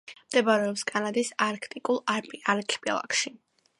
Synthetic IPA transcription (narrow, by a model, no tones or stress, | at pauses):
md̪̥ɛbaɾɛɔpskʼanad̪isaɾkʰt̪ʼikʼulˠapaɾkʰpʼḭlˠa̰kʰʃi